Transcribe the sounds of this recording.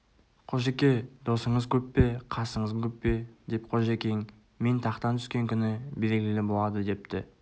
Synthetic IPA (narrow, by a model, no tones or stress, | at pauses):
qʰo̞ʒekʲe̞d̪o̞səɴəzkʲʰɵpːe̞qʰɑsəɴəzkʲʰɵpːe̞d̪e̞pqʰo̞ʒekʲe̞jɪŋ | me̞nt̪ʰɑqt̪ɑnt̪ʰʏ̥skʲe̞ŋkʲʰʏnɪbe̞ɾɡʲɪlɪbo̞lˠɑd̪əd̪e̞p̚t̪ɪ